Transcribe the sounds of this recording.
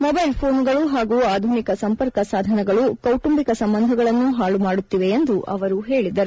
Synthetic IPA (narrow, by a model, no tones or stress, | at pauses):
mɔbɐjlpʰoːnɡɐɭuɦaːɡuːaːd̪ʱunikɐsɐmpɐɾkɐsaːd̪ʱɐnɛɡɐɭukɐwʈumbikɐsɐmbɐnd̪ʱɐɡɐɭɐnːuɦaːɭumaːɽut̪ːiʋe̞end̪uʔʔɐ̰ʋɐɾuɦe̞ːɭid̪ɐɾu